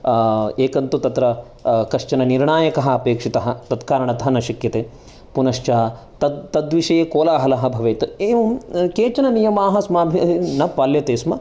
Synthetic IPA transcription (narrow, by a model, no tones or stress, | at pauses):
eːkɐnt̪ut̪ɐt̪ɾɐ | kɐʂt͡ʃɐnɐniɾɳaːjɐkɐɦɐɐpeːkʂit̪ɐɦɐt̪ɐt̪kaːɾɐɳɐt̪ɐɦɐnɐʃikjɐt̪eː | punɐʂt͡ʃɐɦɐ | t̪ɐt̪ɐd̪ʋiʂɐjeːkoːlaːɦɐlɐɦɐ̆bʱɐʋeːt̪ɐeːʋɐmkeːt͡ʃɐnɐnijɐmaːɦɐsmaːbʱinɐpaːljɐt̪eːsmɐ